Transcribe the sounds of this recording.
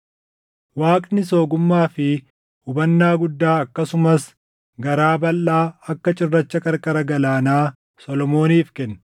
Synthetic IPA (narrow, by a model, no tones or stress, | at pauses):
waːkʼnɪso̞ːɡʊmːaːfɪ | hʊbɐnːaːɡʊd̪ːaːɐkːɐsʊmɐs | ɡɐɾaːbɐlːaːɐkːɐt͡ʃʼɪrːɐt͡ʃːɐkʼɐɾkʼɐɾɐɡɐlaːnaː | sɔlɔmoːniːfkɛnː